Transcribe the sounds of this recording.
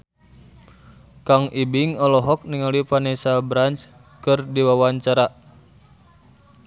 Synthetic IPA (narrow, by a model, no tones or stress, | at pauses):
kaŋʔibiŋɔlɔɦɔk̚niŋalipanɛsabɾant͡ʃ | kɨrdiwawaɲt͡ʃaɾa